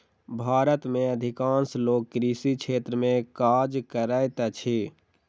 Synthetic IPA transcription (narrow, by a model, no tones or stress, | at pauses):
bʱaːɾət̪meəd̪ʱikãːnsloːkːɾisikt͡ʃʰeːt̪ɾəmẽkad͡ʒkəɾəjt̪at͡ʃʰi